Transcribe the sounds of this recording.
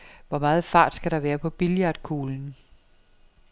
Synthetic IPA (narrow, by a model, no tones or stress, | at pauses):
ʋɒmɑ̈ːð̞̩ˠfɑ̈ːd̥sɡ̥æɾ̥ɑ̈ʋæːɐpʰɒ̽b̥iljɑ̈d̥̚kʰuːln̩